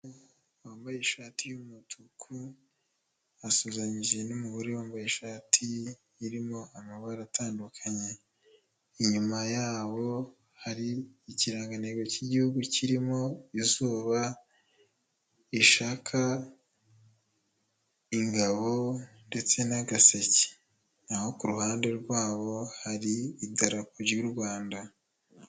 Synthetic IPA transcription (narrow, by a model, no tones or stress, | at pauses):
waːmbajeʃaːtijumutʰukʰu | asuːzaɲiʒe̞numuβuɾewaːmbajeʃaːtʰijiɾimo̞amaβaɾataːndukʰaɲe̞ | iɲumajaːβo̞ | haɾiːciɾaːŋɡaneɡociɟihuɡuciɾimo̞izuːβa | iʃaːkʰa | iŋɡaβo̞ | nde̞t͡se̞naɡasece̥ | aho̞kuɾuhaːnde̞ɾɡwaːβo̞haɾiidaɾakuɾɟuɾɡwaːnda